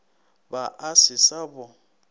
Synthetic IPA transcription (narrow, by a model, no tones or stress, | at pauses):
baʔasɪsabɔ